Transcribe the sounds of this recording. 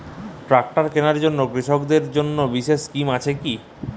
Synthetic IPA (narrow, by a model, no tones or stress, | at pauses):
ʈɾak̚ʈaɾkenaɾd͡ʑonːoɡɾiʃokd̪eɾd͡ʑonːobiʃeʃskimat͡ɕʰeki